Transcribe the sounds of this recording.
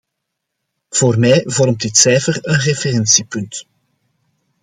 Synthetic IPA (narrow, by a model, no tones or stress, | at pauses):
v̥oːrmɛjvɔrmt̚dɪtsɛjfərənreferɛnsipɵnt